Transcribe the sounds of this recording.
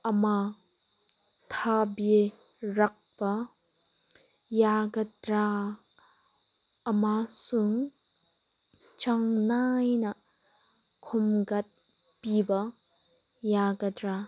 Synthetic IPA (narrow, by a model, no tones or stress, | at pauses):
ʔɐma | t̪ʰabe | ɾɐk̚bɐ | jaɡɐdɾa | ʔɐmasuŋ | t͡ʃaŋnajnɐ | kʰɔmɡɐt̪̚ | pibɐ | jaɡɐdɾa